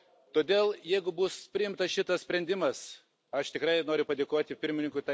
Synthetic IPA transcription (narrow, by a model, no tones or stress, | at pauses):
t̪oːd̪ʲeːlˠjɛɪɡʊbʊspʲɾʲɪjɪmt̪ɐsʃʲɪt̪ɐssʲpʲɾʲɛnʲd̪ʲɪmɐs | ɐʃt̪ʲɪkɾɐɪnoːɾʲʊpɐd̪ʲeːkoːt̪ʲɪpʲɪɾʲmʲɪnʲɪŋkʊɪt̪ɐ